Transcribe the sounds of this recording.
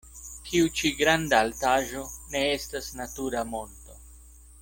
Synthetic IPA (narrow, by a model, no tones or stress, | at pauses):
tʰiut͡ʃiɡɾandaːltaʒo̞ne̞e̞stasnatuɾamo̞nto̞